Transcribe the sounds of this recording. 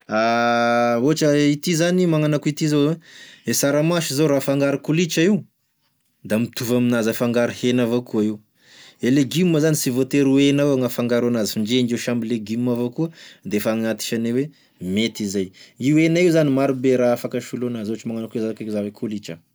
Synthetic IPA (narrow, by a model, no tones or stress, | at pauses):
a | oaʈ͡ʂəit̪izanimaŋanakuit̪izoesaɾamaʃizoɾafaŋɡaɾikulit͡ʃəiw | d̪amit̪uvaminazafaŋɡaɾihenavokuaiw | eleɡimːəzanisivot̪eɾuenaaŋafaŋɡaɾanazifiɳd͡ʒend͡ʒiʃambileɡimːavokuənd̪efaŋat̪i̥ʃanewe | met̪izajiwenaiwzanimaɾubeɾaafakəʃulonazot͡ʃimaŋanakezaakekzawekʰulit͡ʃə̰